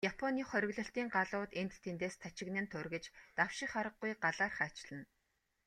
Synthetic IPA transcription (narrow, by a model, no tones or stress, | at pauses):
japʰɔniːχœɾʲɪ̆ɣɮɞ̆ɬt̪iːŋɢaɮʊːt̪ent̪t̪ʰːent̪eːst͡s̪ʰat͡ɕɪ̆ɣnɘ̆nt̪ʰɵrɣɘ̆t͡ɕt̪awʃɪ̆kχaɾə̆ɡːujɢaɮaːrχæːt͡ɕɮ̥ə̆n